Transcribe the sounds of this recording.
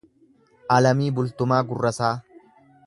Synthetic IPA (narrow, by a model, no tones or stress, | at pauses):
ʔɐlɐmiːbʊlt̪ʊmaːɡʊrːɐsaː